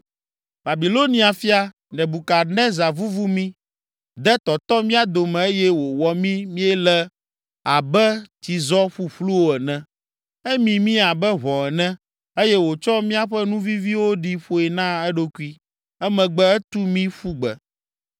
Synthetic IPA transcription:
ba˨bi˨lo˦nĩ˦a˨fi˦a˨ | nɛ̃˨bu˨ka˨nɛ̃˦za˨vu˦vu˦mĩ˦ | d̪ɛ˦t̪ɔ˨t̪ɔ˦mĩ˦a˨d̪o˨mɛ̃˨e˦jɛ˦wo˨wɔ˨mĩ˦mĩ˦ɛ˦lɛ˦ | a˨bɛ˦t̪i˨zɔ˦ɸu˦ɸlu˦wo˦ɛ˨nɛ̃˦ | ɛ˦mĩ˨mĩ˦a˨bɛ˦βɔ˨ɛ˨nɛ̃˦ | e˦jɛ˦wo˨t͡ʃɔ˦mĩ˦a˨ɸɛ˦nũ˦vi˦vi˦wo˦ɖi˦ɸo˦ɛ˨nã˦ɛ˦ɖo˦ku˦i˦ | ɛ˦mɛ̃˨ɡ͡bɛ˦ɛ˦t̪u˦mĩ˦ɸu˦ɡ͡bɛ̰˨

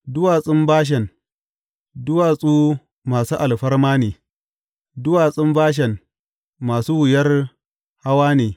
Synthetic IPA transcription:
dʊ˦waː˨sʼɪ˦mbaː˦ʃ̬ɛ˨n | dʊ˦waː˨sʼuː˦ | maː˨suː˦ʔa˨lɸɐ˦rmaː˦neː˨ | dʊ˦waː˨sʼɪ˦mbaː˦ʃ̬ɛ˨nː | aː˨suː˦wʊ˨jɐ˦r | ha˦waː˦neː˨

